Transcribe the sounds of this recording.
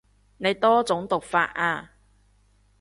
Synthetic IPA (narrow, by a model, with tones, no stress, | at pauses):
ne˨˧jt̪ɔː˥t͡sʊ˨˥ŋt̪ʊ˨k̚fa̰ː˧t̚ʔaː˧